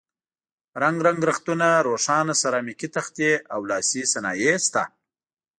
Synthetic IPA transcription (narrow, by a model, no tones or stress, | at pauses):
ɾaŋɡɾaŋɡɾaxt̪unaɾoʂɑnasaɾɑːmikit̪axt̪eawlɑːsisanɑːjest̪a